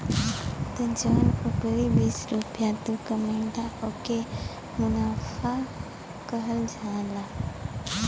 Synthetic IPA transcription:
t̪əd͡ʒənukɾibiːsɾupjat̪ukəməd̪aoke | mʊnafʰa | kəɦəld͡ʒʱãːla

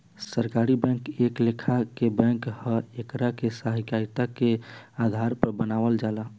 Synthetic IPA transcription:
səɾkaɾibɛ̃ŋkeklekʰakebɛ̃ŋkhəekɾakesaɦikaɾit̪akead̪ʱaɾpəɾbənaʋəld͡ʒala

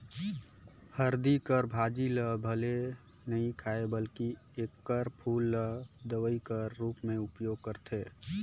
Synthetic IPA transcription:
həɾd̪ikəɾbʱaːd͡ʒiləbʱəle | nəɦĩkʰaːebəlki | ekːəɾpʰuːlːəd̪əʋəikəɾːupmẽʊpjoɡ̚kəɾt̪ʰe

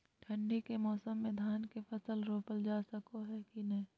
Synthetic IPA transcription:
ʈʰɐ̃ɳɖikemɔːsəmːẽd̪ʱaːnkefʰɐsəlɾoːpəld͡ʒaːsɐkoɦɛkinɐɦĩː

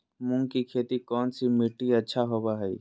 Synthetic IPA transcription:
mʊ̃ŋɡkikʰeːt̪ikɔːnsimiʈːiətːʃʰaɦobaɦɛi

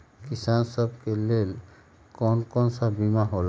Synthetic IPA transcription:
kisansɔbkelel | kɔnkɔnsabimaɦol

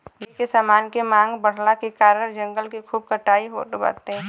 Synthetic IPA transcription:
jekesaːmaːnkemãːŋɡbəɽ̤lakekaːɾəɾd͡ʒə̃ŋɡəlkikʰuːb̚kəʈaːiɦo̰ːt̪ba̰ːt̪eɛ̃

